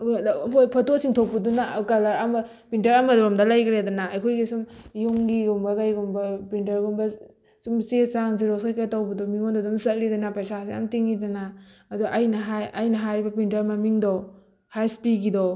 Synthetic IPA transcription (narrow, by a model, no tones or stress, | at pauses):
ɦojpʰɐtosiŋtʰop̚pːudunakalaɾamɐ | pintɐɾamɐdɔɾɔmdɐlajɡɾedɐnaːjkʰojɡisumjoŋɡiɡumbɐɡajɡumbɐpintɐɾɡumbɐ | sumsesaŋziɾɔskajkajtawbidɔmiŋondɔdumsɐt̚lidanapajsasia̰mtiŋidanaːduʔajnɐɦajajnɐɦaɾibɐpintɐɾmamiŋdɔ | hajspiɡidɔ